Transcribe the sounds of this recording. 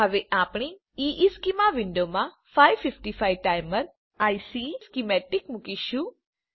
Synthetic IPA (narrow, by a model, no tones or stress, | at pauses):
ɦəʋeʔapɳ̃i | iʔiskimaʋɪɳɖomã | faiʋfɪfʈifajʋʈajməɾ | ajsiskimɛʈikmukiʃũ